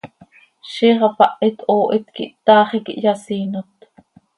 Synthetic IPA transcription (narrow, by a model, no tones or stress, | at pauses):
ʃiːʁɑpɑʔit̪ʔoːʔit̪kḭʔt̪ɑːχikḭʔjɑsiːnot̪